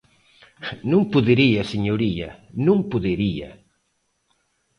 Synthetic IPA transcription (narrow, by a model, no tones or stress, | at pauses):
nũŋpʊðeɾiɐseɲoɾiɐ̰nũŋpʊðeɾiɐ̰